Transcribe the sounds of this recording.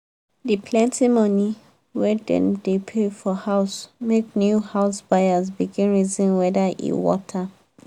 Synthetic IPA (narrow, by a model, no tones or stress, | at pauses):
dipʰlɛ̃ntʰimɔ̃ni | wɛdɛ̰̃mdepʰefɔhaʊsmeknjuhaʊsbajazbiɡĩnɹizĩnwɛdaʔḭwɔ̰tʰa